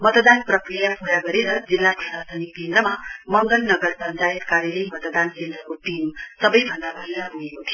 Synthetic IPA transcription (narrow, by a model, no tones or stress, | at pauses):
mʌt̪d̪anprʌkrijapʰuɽaɡʌɾeɾʌd͡zilːapusast̪ʰʌnikend̪ɾʌmamʌŋɡʌlnʌɡʌrpʌnt͡sajet̪kaɾjilʌjmʌt̪d̪ankend̪rʌkoʈ̪imsʌbʌjbʱʌnd̪abʱʌɦijaɦuɦekot̪ʰijo